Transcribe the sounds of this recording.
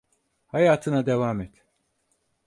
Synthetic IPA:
hajaːt̪ʰɯnad̪evaːmɛt̪

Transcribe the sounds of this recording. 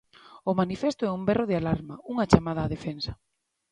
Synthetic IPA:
ʊmanifɛst̪ʊɛumbɛroðɪalaɾmɐuŋɐt͡ʃamað̞aːðefensɐ̥

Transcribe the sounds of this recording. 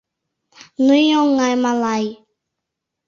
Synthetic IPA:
nujɔ̃ŋajmalai

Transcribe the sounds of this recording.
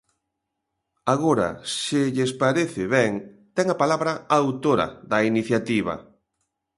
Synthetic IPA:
aɣoɾɐ̰sɪʎespaɾeθɪβɛŋt̪ɛŋapalaβɾɐawt̪oɾɐ̰ðɐiniθjat̪iβ̞ɐ̰

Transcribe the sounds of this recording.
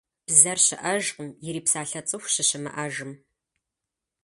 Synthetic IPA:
b̥zɐrɕɪʔɐʒqəmjɪɾiːpsaːɬɐt͡sʼɨxʷɕɪɕɪmɐ̰ʔɐʒɨm

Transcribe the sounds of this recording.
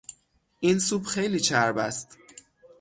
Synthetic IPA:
ʔinsuːbxejliːt͡ʃʰæɾbæst̪

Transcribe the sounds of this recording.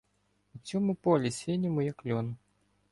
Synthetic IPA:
ut͡sʲɔmʊpɔlʲisʲenʲɐmʊjɐklʲɔnɐ

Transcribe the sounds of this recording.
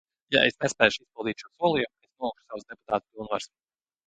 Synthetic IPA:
jaesnespɛːjʃispilˠd̪iːt̪ʲʃuɔsuɔlˠijumesnuɔuːksawsd̪epu̥t̪aːt̪̚pilˠnva̰ɾs

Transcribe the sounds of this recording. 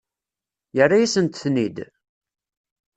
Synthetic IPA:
jərːajæsənt̪θnid̪

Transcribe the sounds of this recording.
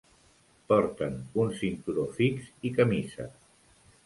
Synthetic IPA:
pɔɾt̪ənunsint̪uɾofikzikəmisə̰

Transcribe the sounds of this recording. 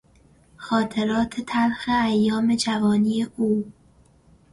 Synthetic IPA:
xɒːt̪ʰe̞ɾɒːt̪ʰet̪ʰæɾxeæjːɒːme̞d͡ʒævɒːniːeʔuː

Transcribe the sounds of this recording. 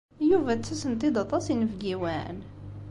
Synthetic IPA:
juvæt͡sːæsənt̪id̪ɑt̪ˤɑsinəvɡiwæn

